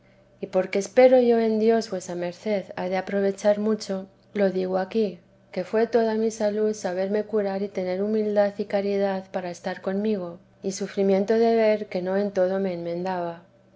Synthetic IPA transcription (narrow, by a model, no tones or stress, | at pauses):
ipo̞ɾkeːspe̞ɾo̞ʝo̞e̞nd̪jo̞zβwe̞same̞ɾθe̞ða̰ðe̞apɾo̞β̞e̞t͡ʃaɾmut͡ʃo̞ | lo̞ðiɣoaki | ke̞fwe̞t̪o̞ð̞amisaluθsaβ̞e̞ɾme̞kuɾaɾit̪e̞ne̞ɾumild̪aθikaɾið̞aθpaɾaest̪aɾko̞nmiɣ̞o̞ | isufɾimjẽ̞nt̪o̞ðe̞βe̞ɾke̞no̞e̞nt̪o̞ð̞o̞me̞ːnmẽ̞nd̪aβa